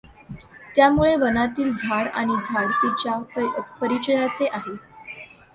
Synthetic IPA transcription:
t̪jamuɭebənat̪iːld͡zʱaɽa̰ɽ̃id͡zʱaɽt̪it͡ɕjapəɾit͡ɕəjat͡seʔaɦe

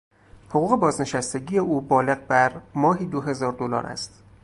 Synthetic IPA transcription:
hoɣuːɣe̞bɒːzne̞ʃæst̪e̞ɟiːje̞ʔuːbɒːle̞ɣbæɾmɒːɦiːd̪oɦe̞zɒːɾd̪olɒ̰ːɾʔæ̰st̪

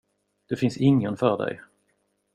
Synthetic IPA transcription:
d̪̥ɵfɪnsɪŋːənfœːɖɛ̰j

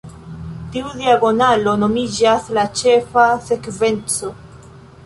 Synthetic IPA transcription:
tiudiaɡo̞nalo̞no̞mid͡ʒaslat͡ʃe̞fase̞kve̞nt͡so̞

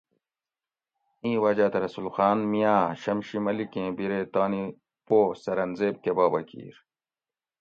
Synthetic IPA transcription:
ĩːwɐd͡ʑat̪ɾɐsulxaːnmijaːɕɐmɕimɐlikẽːbiɾet̪aːni | poːsɐɾɐnzeːb̚kebaːbɐkḭːɾ

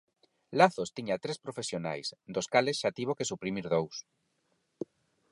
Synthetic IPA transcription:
laθost̪iɲat̪ɾespɾofesjona̰jsd̪oskalesʃat̪iβ̞okesupɾimiɾðows

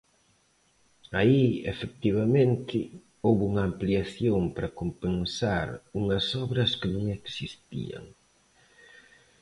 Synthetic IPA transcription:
aiefek̚t̪iβamẽnt̪ɪ | owβuŋɐːmpliaθjompɾɐkompensaɾuŋɐsɔβɾɐskɪnũŋɛksist̪ḭɐ̰ŋ

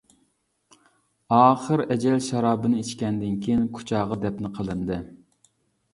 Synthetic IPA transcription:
ɑːχəɾɛd͡ʒɛlʃɑɾɑːbɨnɨit͡ʃkʲɛnd̪ɪnkʲʰijinkʰu̥t͡ʃʰɑːʁɑd̪ɛpnɪqʰəlˠɨnd̪ɨ

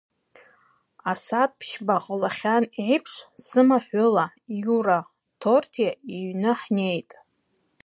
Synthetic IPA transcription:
asap̚pʰʃbaqʼəlaχʲaniʕipʰʂsɨmaħʷʊla | juɾa | tʰortʰjaiɥnɨħne̞jtʼ

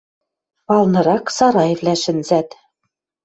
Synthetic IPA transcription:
pɑlˠnɤ̆ɾɑksɑɾɑjĕvlʲæʃɘ̆nzæt̪

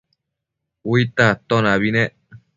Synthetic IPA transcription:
wit̪aat̪onaβine

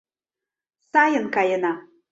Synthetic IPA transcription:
sajənkajəna

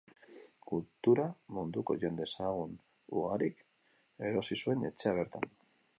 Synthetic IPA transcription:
kult̪uɾamund̪uko̞̰ʝe̞nd̪e̞saɣ̞un | uɣaɾik | e̞ɾo̞sisue̞ne̞t͡ʃe̞aβ̞e̞ɾt̪a̰n

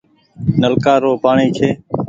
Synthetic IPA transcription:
nəlkaːɾoːpaːɳiːt͡ʃʰeː

